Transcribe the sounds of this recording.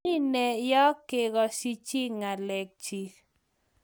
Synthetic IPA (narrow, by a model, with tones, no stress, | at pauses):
i˦nɛ˨jɔ˦kːe˨ɡɔ˨si˦t͡ʃi˦ŋa˨lɛ˨k̚t͡ʃi˨